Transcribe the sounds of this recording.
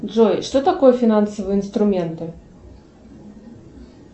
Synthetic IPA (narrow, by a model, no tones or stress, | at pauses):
dʐɔjʂt̪ɔt̪akojɛfʲinansəvɨjəinst̪ɾʊmʲɛnt̪ɨ